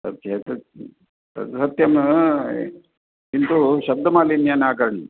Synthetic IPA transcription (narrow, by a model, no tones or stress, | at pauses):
sɐ̰t̪jet̪ | t̪ɐ̰t̪sɐt̪jɐm | int̪uʃɐb̚d̪ɐmaːlinjaːnaːkɐɾɐɳḭ